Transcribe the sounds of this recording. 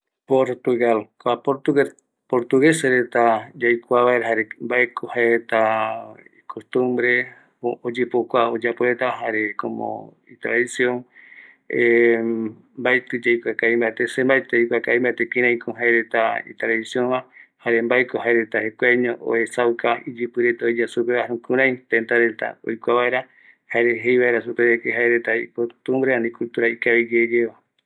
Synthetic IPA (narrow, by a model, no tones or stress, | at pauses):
poɾt̪uɣalkapoɾt̪u | poɾt̪uɣeseɾet̪ad͡ʒajkʷaβaeɾɦaɾembaekʰohaeɾet̪a | ikʰost̪umbɾe | od͡ʒepokʷaod͡ʒapoɾet̪aɦaɾekomo̰ | it̪ɾaðisjõŋ | e | mbajt̪ɨd͡ʒajkʷakaĩmbat̪esembajt̪ejkʷakaĩmbat̪ekĩɾãj̃kʰoɦaeɾet̪aḭt̪ɾaðisjõnβahaɾe̞mbajkoɦaeɾet̪ahekʷaɲõʔo̰hesawkaid͡ʒɨpɨɾe̞t̪aod͡ʒasupeβahɾũkɨ̃ɾ̃ãj̃t̪ent̪aɾet̪a̰o̰jkʷaβaeɾa | haeɾeɦejβaeɾasupeekeɦaeɾet̪aikot̪umbɾeanĩkult̪uɾaikaβid͡ʒed͡ʒeβa